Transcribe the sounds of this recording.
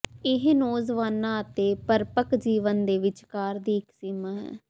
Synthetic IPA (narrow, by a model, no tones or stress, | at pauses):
ɪɦnoːzʋaːnːãːət̪eːpəɾpəkd͡ʒiːʋənd̪eːʋɪt͡ʃkaːɾd̪iːɪksɪmaːɦɛ̰ː